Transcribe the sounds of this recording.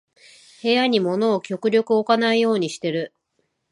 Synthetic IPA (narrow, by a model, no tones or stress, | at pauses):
he̞jaɲ̟imo̞no̞ːkʲo̞kɯ̟ɾʲo̞kɯ̟o̞kanaijo̞ːɲ̟iɕi̥t̪e̞ɾɯ̟